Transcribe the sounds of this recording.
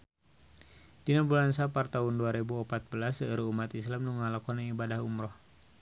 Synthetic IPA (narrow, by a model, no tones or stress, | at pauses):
dinabulansapart̪aɦunduaɾebuɔpat̪̚bəlasəəɾuumat̪islamnuŋalakɔnaŋibadahumɾɔh